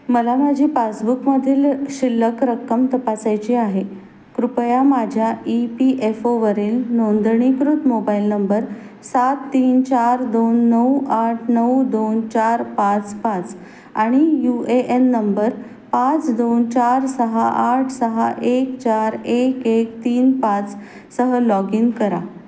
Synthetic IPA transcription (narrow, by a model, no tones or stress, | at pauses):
məlamad͡ʑʱiːpasbukməd̪ʱiːlɕilːəkɾəkːəmt̪əpasajt͡ɕiaɦe | kɾupjamad͡ʑʱjaipiʔefoʋəɾiːlnond̪ɳ̃ikɾut̪mobailnəmbəɾ | sat̪ːiːnt͡ɕaɾd̪onːəwaʈʰnəwd̪ont͡ɕaɾpãt͡spãt͡s | aɽ̃ijueʔenːəmbəɾ | pãt͡sd̪ont͡ɕaɾsəɦaʔaʈʰsəɦa̰ʔekt͡ɕaɾekek̚t̪iːnpãt͡s | səɦəlɔɡiŋɡkəɾa̰